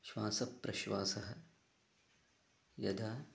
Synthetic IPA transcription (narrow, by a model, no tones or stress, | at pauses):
ʃʋaːsɐpːɾɐʃʋaːsɐɦɐ | jɐ̰d̪ʱaː